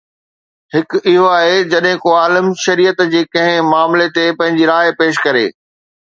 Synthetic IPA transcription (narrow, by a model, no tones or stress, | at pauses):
hɪkɪɦoaːɦed͡ʑɐɗɦɪ̃koaːləmʃɐɾiːət̪d͡ʑiːkɐ̃ɦɪ̃maːmlet̪epɐ̃ɦɪ̃ɲd͡ʑiɾaːɦpeːʃkɐɾḛː